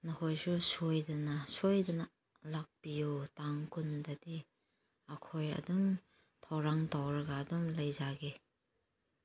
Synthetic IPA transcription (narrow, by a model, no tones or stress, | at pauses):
nɐkʰojsusojdɐnɐsojdɐnɐ | lak̚pijutaŋkundɐdi | ɐkʰojɐ̰dum | tʰawɾaŋtawɾɐɡaːdumlɐjzaɡe